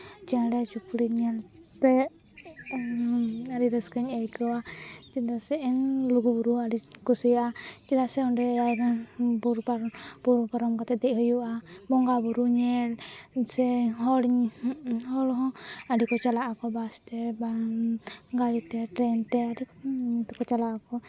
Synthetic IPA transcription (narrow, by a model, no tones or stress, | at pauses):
t͡ʃaɽɛt͡ʃukɾiɲɛlt̪ɛ | aɾiɾəskəɲəjkɔwat͡ʃidasɛɛnluɡubuɾuaɖikusijat͡ʃidasɛɔnɖɛaɾbuɾpbuɾpaɾɔmkɔt̪ɛd̪ɛɦɔjuʔabɔŋɡabuɾuɲɛlsɛɦɔɽɲhɔlɦɔ̃aɖikɔt͡ʃalaʔakɔbast̪ɛba | ɡalit̪ɛʈɾɛnt̪ɛaɾit̪ɔkɔt͡ʃalaʔakɔ